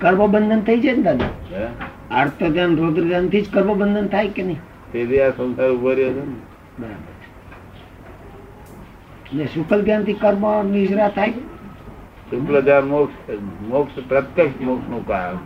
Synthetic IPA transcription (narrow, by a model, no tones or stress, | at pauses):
kəɾməbənd̪ʱənt̪ʰəid͡ʒand̪ad̪a | aɾt̪əd̪janɾod̪ɾd̪jant̪ʰid͡ʒkəɾbəbənd̪ʱənt̪ʰajkenəɦĩ | t̪ed̪iasə̃nsaɾubəɾjod͡ʒene | bəɾa̰bə̰ɾt͡ʃʰe̥ | nesukəld̪jant̪ʰikəɾmanid͡ʒɾat̪ʰaj | sukləd̪anmoksmokspɾət̪jekʃmoksnũkam